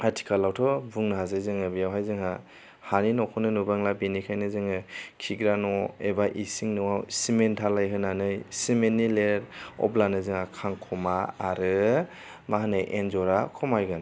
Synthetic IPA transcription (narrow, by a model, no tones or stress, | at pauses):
atʰi̥kʰalawtʰɔbuŋnɯɦazajzɯŋɯbijawɦajzɯŋa | haninɔkʰɔnɯnubaŋlabinikʰajnɯzɯŋɯkʰiɡɾanɔebaʔisiŋnɯwawsimentʰalajɦɯnanɯjsimenːileɾɔ̰blanɯzɯŋakʰaŋkʰɔmaːɾɯ | maɦanɯjʔenzɔɾakʰɔmajɡan